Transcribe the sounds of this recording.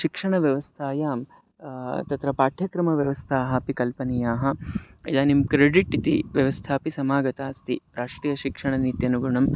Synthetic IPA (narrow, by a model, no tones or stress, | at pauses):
ʃikʂɐɳɐʋjɐʋɐst̪ʰaːjaːm | t̪ɐt̪ɾɐpaːʈʰjɐkɾɐmɐʋjɐʋɐst̪ʰaːɦɐpikɐlpɐnijaːɦɐ̆ḭd̪aːnimkɾeɖiʈːit̪iʋjɐʋɐst̪ʰaːpisɐmaːɡɐt̪aːst̪ḭɾaːʂʈɾiːjɐʃikʂɐɳɐniːt̪jɐnuɡuɳɐm